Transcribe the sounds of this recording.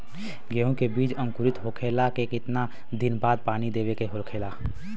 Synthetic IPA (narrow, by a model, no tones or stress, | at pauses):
ɡeɦõkebiːd͡ʒə̃ŋkʊɾɪt̪ɦokʰeːlakekɪt̪na | d̪ɪnbaːd̪̚paːnid̪eːʋekeɦoɾkʰeːlaː